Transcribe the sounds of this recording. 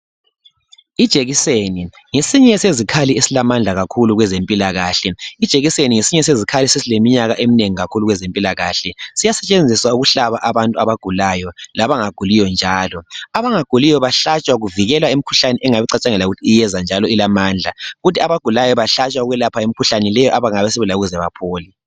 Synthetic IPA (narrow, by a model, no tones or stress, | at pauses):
id̥ʒ̥ʱeɣiseni | ŋesiɲɛsezikʰaliesilamand͡ɮʱaɣakʰuluɣwɛzempʼilaɣaːɬɛid̥ʒ̥ʱeɣiseniŋesiɲɛs̬ezikʰalisisilemiɲaɣaʔemineŋiɣakʰuluɣwɛzempʼilaɣaːɬɛsijasɛt͡ʃʼend͡zʱiswauɣuɬaβaʔaβantʼuaβaɡ̥ʱulajɔlaβaŋaɡ̥ʱulijɔnd͡ʒʱaːlɔaβaŋaɡ̥ʱulijɔβaɬat͡ʃʼwaɣuviɣɛlwaem̩ikʰu̥ɬanɛʔɛŋaβiǀat͡ʃʼaŋɛlauɣutʰiːjɛzand͡ʒʱalɔilamaːnd͡ɮʱaɣutʰiaβaɡ̥ʱulajɔβaɬat͡ʃʼwauɣwɛlapʰaem̩ikʰuɬanilɛjɔʔaβaŋaβɛsiβulauɣuzɛβa̰pʰoːli